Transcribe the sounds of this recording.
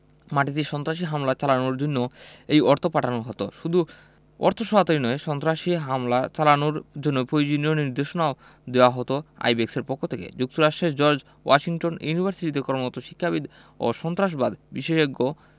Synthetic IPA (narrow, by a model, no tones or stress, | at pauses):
maʈit̪eʃɔnt̪ɾaʃ̬iɦamlat͡ɕalanoɾd͡ʑonːoejɔɾt̪ʰopaʈʰanoɦɔt̪oʃud̪ʱu | ɔ̰ɾt̪ʰoʃɔɦat̪ojnɔeʃɔnt̪ɾaʃiɦamlat͡ɕalanoɾd͡ʑonːopɾojd͡ʑinioniɾd̪eʃonao | d̪ewaɦɔt̪oa̰jbekseɾpokʰːot̪ʰekḛd͡ʑuk̚t̪oɾaʃʈed͡ʑɔɾd͡ʑ | wa̰ʃiŋʈonjunibʱaɾsiʈit̪̬ekɔɾmot̪oʃi̥kʰːabid̪ | o̰ʃɔnt̪ɾaʃ̬bad̪biʃeʃoɡo